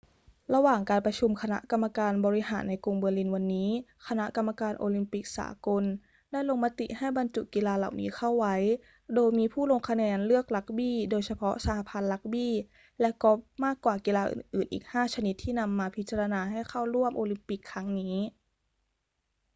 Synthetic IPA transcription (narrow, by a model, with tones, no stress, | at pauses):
ɾa˧waː˨˩ŋkaː˧npɾa˧t͡ɕʰu˧mkʰa˧na̰˦˥ʔka˧mːa˧kaː˧nbɔː˧ɾi˦˥ɦaː˩˦nːa˧jku˧ŋbɤː˧li˧nwa˧nːiː˦˥kʰa˧na˦˥ʔka˧mːa˧kaː˧nʔoː˧li˧mpi˨˩k̚sa̰ː˩˦ko˧n | da˥˩jlo˧ŋma˦˥t̪ḭ˨˩ʔha˥˩jba˧nt͡ɕu˨˩t̚ki˧laː˧la̰˨˩wnḭː˨˦xʰa˥˩wːa˦˥j | doː˧jmiː˧pʰuː˥˩lo˧ŋkʰa˧nɛː˧nlɯ˥˩ək̚la˦˥k̚biː˥˩doː˧jsa˧pʰɔ˦˥sa˧ha˧˩pʰa˧nla˦˥k̚biː˥˩ | lɛ˦˥kɔ˦˥p̚maː˥˩kːwaː˨˩kiː˧laː˧ʔɯ̰ː˨˩nʔɯː˨˩nʔḭː˨˩k̚haː˥˩t͡ɕʰa˧ni˦˥t̪ʰːiː˥˩na˧mːaː˧pʰi˦t̪̚t͡ɕa˧ɾa˧naː˧ɦa˥˩jkʰa˥˩wɾu˥˩əmʔoː˧li˧mpi˨˩kʰːa˦˥ŋniː˦˥